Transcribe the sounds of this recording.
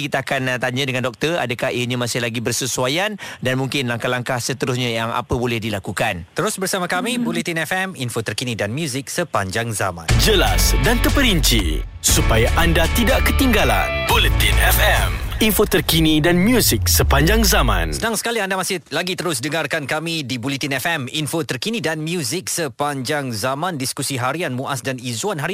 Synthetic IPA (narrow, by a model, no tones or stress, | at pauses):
kit̪aakant̪aɲãdəŋãndɔk̚t̪əra̰dakahiɲãmasɪhlaɡibərsəsuajandanmuŋkɪnlaŋkahlaŋkahsət̪əɾus̬ɲãjaŋa̰pəbolɛhdilakukant̪əɾʊsbərsamãkamibulit̪inɛfɛminfot̪ərkinidanmjuzɪk̚səpaɲd͡ʒaŋza̰mã̰nd͡ʒəlasdant̪əpəɾiɲt͡ʃḭsupajaʔandat̪idaʔkət̪iŋɡala̰nbolit̪inɛfɛminfot̪ərkinidanmjuzik̚səpaɲd͡ʒaŋzamã̰nsəədaŋsə̥kaliandamasɪlaɡit̪əɾʊsdəŋarkankamidibulit̪inɛfɛminfot̪ərkinidanmjuzɪk̚səpaɲd͡ʒaŋzamãndiskusiɦaɾianmuʔasdanizuanɦaɾi